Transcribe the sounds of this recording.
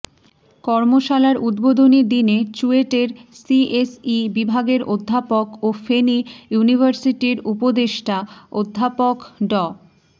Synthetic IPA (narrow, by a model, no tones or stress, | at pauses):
kɔɾmoʃalaeɾud̪bod̪ʱonid̪inet͡ɕueʈeɾsiesibibʱaɡeɾod̪ʱːapokofenijunibʱaɾsiʈiɾupod̪eʃʈʰaod̪ʱːapokɖɔ